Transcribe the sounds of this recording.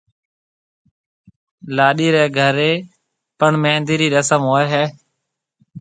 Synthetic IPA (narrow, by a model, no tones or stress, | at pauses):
laːɗiːɾɛːɡʱəɾeː | pəɳmeːnd̪iːɾiːɾəsəmɦoːeɦɛː